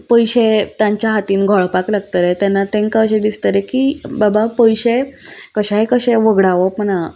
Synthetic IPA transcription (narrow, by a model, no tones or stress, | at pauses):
pəjɕet̪jaɲt͡ɕjaɦat̪iːnɡʱɔɭpaklaɡ̚t̪əɾɛt̪janːat̪ẽŋkaɕẽd̪ist̪əɾɛkiːbabapəjɕekəɕaɦekəɕẽʋəɡɽaʋəpəna